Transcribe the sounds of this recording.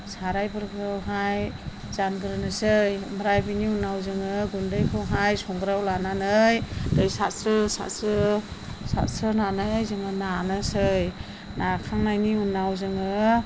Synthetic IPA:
saɾajbɯɾɡɾɯwɦaj | zanɡɯɾɯnɯsɯjmɾajbiniunːawzɯŋɯɡundɯjkʰɯwɦajsɔŋɡɾawlananɯjdɯjsatsɾɯsa̰tsɾɯ | sa̰tsɾɯnanɯjzɯŋɯnanɯsɯj | nakʰaŋnajniunːawzɯŋɯ

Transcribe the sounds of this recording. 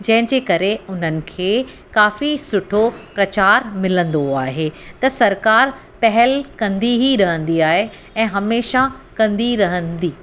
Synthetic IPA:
d͡ʑɐ̃ɦɪ̃d͡ʑeːkɐɾeʊn̤ənɪ̆kʰeː | kaːfisʊʈʰopɾɐt͡ɕaːɾmɪlə̃nd̪oaːɦeːt̪ɐsɐɾkaːɾ | pɐɦɛlkɐ̃nd̪iɦiɾɐɦə̃nd̪iaːɦe | ɛ̃ːɦɐmeːʃakɐ̃nd̪iɾɐɦə̃nd̪iː

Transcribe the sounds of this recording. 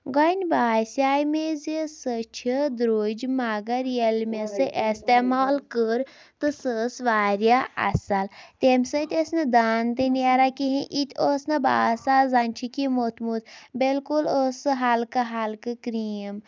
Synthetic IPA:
ɡɐnʲbaːsʲaːjmezisət͡ʃʰid̪ɾoːd͡ʒmaɡɐɾjelmesɨʔest̪emaːlkəɾ | t̪ɨsəsʋaːɾjaʔɐ̰salt̪ʲemʲsət̪ʲesnɨd̪aːnt̪ɨneɾakiɦĩʔit̪ʲʰosnɐba̰ːsazanʲt͡ʃʰikimot̪mut̪belkulosɨɦalkɨɦalkɨkɾim

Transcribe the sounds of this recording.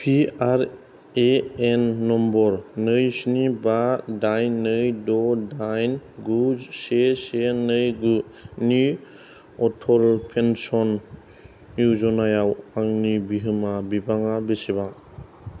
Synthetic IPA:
pʰiaɾ | eenːɔmbɔɾnɯjsinibadajnːɯjdɔdajnɡusesenɯjɡuni | ɔtʰɔlpʰensɔnː | uzɔnajawaŋnibiɦɯmabibaŋabesiβa

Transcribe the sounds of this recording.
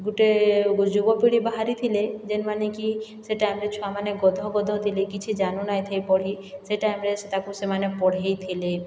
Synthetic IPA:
ɡuʈed͡ʒubɔpiɽibaɦaɾit̪ʰiled͡ʒenmanekiseʈajmɾet͡ʃʰuamaneɡɔd̪ʱɔɡɔd̪ʱɔt̪ʰilekit͡ʃʰid͡ʒanunajt̪ʰejpɔɽɦi | seʈajmɾeset̪akusemanepɔɽ̤ejt̪ʰile

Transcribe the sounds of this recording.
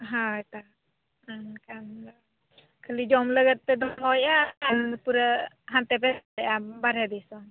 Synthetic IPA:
ɦãt̪a | kan | kʰəlid͡ʒɔmləɡət̪̚ːɛd̪ɔmɔjaanpuɾə | ɦant̪ɛpɛɛʔabaɾɛd̪ɛsɔn

